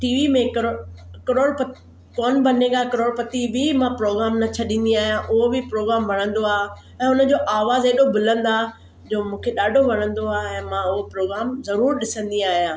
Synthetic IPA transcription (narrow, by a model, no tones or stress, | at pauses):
ʈiːʋimẽkɾkɐɾoːɽp | kɔːnbɐnekakɐɾoːɽpɐt̪ibʱimãpɾoːɡɾaːmnɐt͡ɕʰɐɗĩːnd̪iaːɦijãʔʊɦobɪpɾoːɡɾaːmʋɐɽ̃ə̃nd̪oaː | ɛ̃ːʊnəd͡ʑoːʔaːʋaːzeːɗobʊlə̃nd̪a | d͡ʑoːmũːkʰeɗaːɖʱoʋɐnə̃nd̪oaːɛ̃ːmãʊɦopɾoːɡɾaːmzɐɾuːɾɗɪsə̃nd̪iaːɦijãː